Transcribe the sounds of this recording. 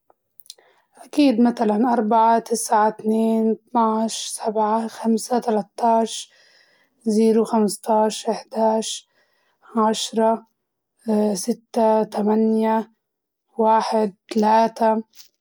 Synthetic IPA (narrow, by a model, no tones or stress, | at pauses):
ʔakiːd̪mat̪alanʔɑɾˤbaʕat̪ɪsʕat̪neːnt̪naʕʃsabʕaxamsat̪alat̪ːɑːʃ | ziːɾuxamst̪ɑːʃʔɪħd̪aːʕʃ | ʕaʃɾˤɑ | sɪt̪ːat̪amanja | waːħɪd̪̚t̪alaːt̪a